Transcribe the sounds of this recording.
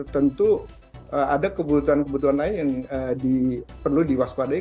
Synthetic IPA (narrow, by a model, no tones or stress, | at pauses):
ərt̪ənt̪u | əadakəbut̪uankəbut̪̬uanlainjaŋədipərludiwaspada